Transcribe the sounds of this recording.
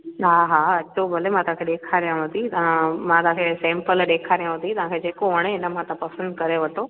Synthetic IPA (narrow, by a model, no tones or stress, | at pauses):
ɦaːɦaɐt͡ɕobʱɐlemãt̪ɐãkʰeɗeːkʰaɾijãɦʊ̃nd̪it̪ɐãmãt̪ɐɦãkʰesɛ̃ːmpəlɗeːkʰaɾijãɦʊ̃nd̪it̪ɐʋ̤ãːkʰed͡ʑeːkoɦɐɽ̃eɪnəmãt̪ãpɐsə̃nd̪̚kɐɾeʋɐʈoː